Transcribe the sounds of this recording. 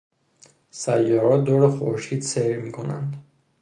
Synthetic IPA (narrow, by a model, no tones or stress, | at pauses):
sajɔɾɔd̪ɔɾɛχɔɾʃit̪sɛɾmikʰɔna̰nd̪